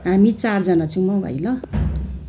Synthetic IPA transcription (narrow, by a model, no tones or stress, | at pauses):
ɦamit͡sard͡zʌnat͡sʰuw̃mʌbʱʌ̰jlʌ